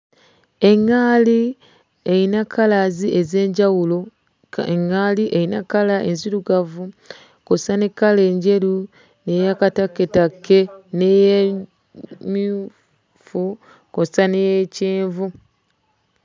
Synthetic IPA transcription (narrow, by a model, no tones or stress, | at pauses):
e̞ŋːaːli | ejinakːalaziʔeze̞ːɲɟawulo | ŋːaːliʔejinakalaenziɾuɡavu | kosane̞kːale̞ːɲɟe̞lu | ne̞jakatakːetakːe̞neje | mi | fu | kosanejeceːɱvu